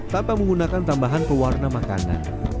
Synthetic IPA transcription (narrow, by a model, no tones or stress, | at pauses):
t̪ampaməŋɡunakant̪ambaɦanpəwarnamaka̰na̰n